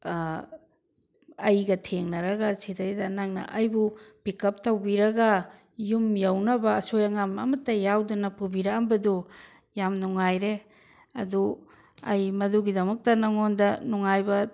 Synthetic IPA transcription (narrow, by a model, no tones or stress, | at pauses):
ɐjɡɐtʰeŋnɐɾɐɡasidajdɐnaŋnɐ̰ʔɐjbub̥ikɐp̚tawbiɾɐɡɐ | jumjawnɐbɐːsojaŋamɐ̰mɐtːɐjawdunapubiɾaambɐdu | jamnuŋajɾe | ɐ̰du | ɐjmɐduɡidɐmɐk̚tɐnaŋondɐnuŋajbɐ